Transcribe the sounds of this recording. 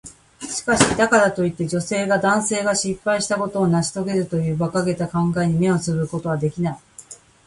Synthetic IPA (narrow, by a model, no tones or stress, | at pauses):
ɕi̥kaɕid̪akad̪at̪o̞it̪ːe̞d͡ʑo̞se̞ːɡad̪ãɰ̃se̞ːɡaɕipːaiɕi̥t̪ako̞t̪o̞ːnaɕi̥t̪o̞ɡe̞ɾɯ̟t̪o̞jɯ̟ːbakaɡe̞t̪akãŋɡaeɲ̟ime̞o̞t͡sɨβɯ̟ko̞t̪o̞β̞ad̪e̞kʲinai